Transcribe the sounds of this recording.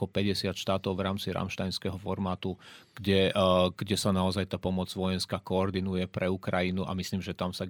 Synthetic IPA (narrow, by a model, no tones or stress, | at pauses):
ɔpɛɟɛsɪat̪ʃt̪aːt̪ɔʊvɾaːmt͡siɾa̰mʃt̪ajnskɛɦɔfɔɾmaːt̪uɡ̥ɟɛɡ̥ɟɛsanaɔzajt̪aːpɔmɔd͡zʋɔjɛnskakɔːɾd̪inujɛpɾɛukɾajinuʔa̰misliːmʒɛt̪amsa